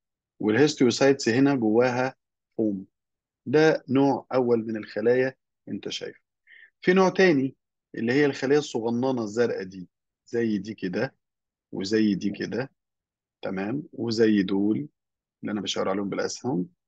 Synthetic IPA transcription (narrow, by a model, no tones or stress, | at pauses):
welhest̪wesˤɑjt̪sɦenæɡowːæːɦæ | foːm | d̪ænoːʕʔæwːælmenelxælæːjæ | ʔent̪æʃæ̰jf | finoːʕt̪æːni | ʔḛlːihejːælxælæːjæsˤːoɣɑnːɑːnɑzːæɾˤʔæd̪iː | z̥æjːd̪iːked̪æ | wʔḛzæjːd̪iːked̪æ | t̪æmæːmwezæjːd̪oːl | ʔelːiʔænæbæʃæʕeɾʕaleːhombelʔæ̰shæm